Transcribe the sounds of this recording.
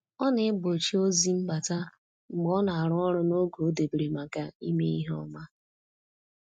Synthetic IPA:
ɔ˦nɪ˦ɪ˦ɡ͡bo˨t͡ʃi˦o˦zi˦ŋ͡m̩˦ɡ͡ba˨ta˦ | ŋ͡m̩˨ɡ͡bɔ˦na˨a˨ɾʊ˦ɔ˦ɾʊ˦no˦ɡo˨o˦de˨bi˨ɾe˨ma˨ka˦i˦me˦i˦ɦɔ̰˦ma˦

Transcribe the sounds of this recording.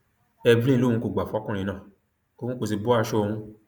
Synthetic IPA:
ɛ˧bĩ˦˧lõ˦˨ũ˧ko˨ɡ͡ba˨fkũ˦ɾ̃ĩ˧nãː˦˨ | ko˦ũ˦ko˧si˧bɔ˦a˦˧˦ʃo˦˧ũ˧

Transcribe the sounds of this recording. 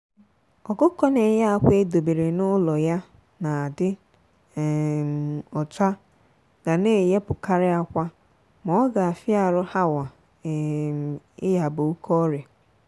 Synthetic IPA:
ɔ˨kʊ˦kɔ˦ne˨ja˦a˨kʷe˦do˨be˨ɾe˨nʊ˦lɔ˨ja˦ | na˨a˨dɪ˦˨ | mɔ˨t͡ʃa˦ | ɡa˨ne˦˨je˦pʊ˨ka˦ɾɪ˦a˦kʷa˦ | mɔ˨˦ɡa˨a˨fɪ˦a˨ɾʊ˦ha˦wa˨ | ɪ˦ja˨bʊ˨u˦kʰɔ˦ɾe˨

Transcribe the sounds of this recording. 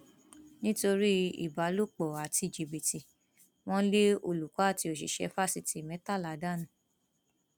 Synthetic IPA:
nĩ˦to˧ɾi˦ḭ˨ba˨˦lo˦k͡pɔ˨a˨ti˧˨d͡ʒi˨bi˨ti˨ | w̃ɔ̃˦le˦o˧˨lu˨ka˨˦˨ti˧o˨ʃḭ˨ʃɛ̰˧˦fa˦˨si˨ti˨mɛ̃˨˦ta˦˨la˨˦da˦nũ˦˨

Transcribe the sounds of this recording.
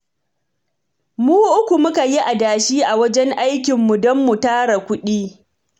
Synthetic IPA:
muː˦ʔʊ˦kʷu˨mʊ˦ka˨ji˦ʔa˨daː˨ʃiː˦ʔa˨wɐ˦d͡ʒɛ˦ŋʔa˦jkʲɪ˨mːu˨dɔ˦mːu˨taː˦ɽa˨kʷʊ˦ɗiː˦

